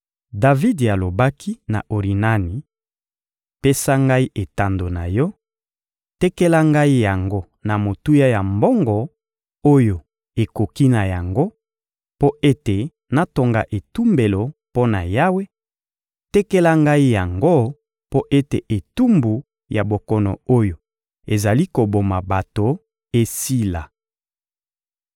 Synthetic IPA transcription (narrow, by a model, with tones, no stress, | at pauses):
da˨vi˦di˨a˨lo˨ba˦kʰi˦na̰˨ʔo˨ʁi˨na˦ni˨ | pe˦sa˦ŋɡa˦i˦ʔe˨ta˨ndo˨na˨jɔ˦ | tɛ˦kɛ˦la˦ŋɡa˦i˦ja˨ŋɡo˦ | na˨mo˨tu˦ja˦ja˨mbɔ˦ŋɡɔ˨ | o˦jo˨ | e˨ko˨ki˦na˨ja˨ŋɡo˦ | po˦ʔe˦te˨ | na˨to˨ŋɡa̰˨ʔe˨tu˦mbe˨lo˨po˦na̰˨ja˦we˦ | tɛ˦kɛ˦la˦ŋɡa˦i˦ja˨ŋɡo˦ | po˦ʔe˦te˨ʔe˨tu˦mbu˨ | ja˨bo˨kɔ˨nɔ̰˨o˦jo˨ | e˨za˨li˦ko˨bo˨ma˨ba˨to˨ | e˦si˦la˨